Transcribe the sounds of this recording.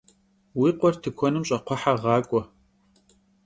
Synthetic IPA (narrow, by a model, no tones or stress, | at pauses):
wiːqʷɔrtʰɨkʷʰɔnɨmɕʼɐqʷʰɔħaʁɑːkʷʼɔ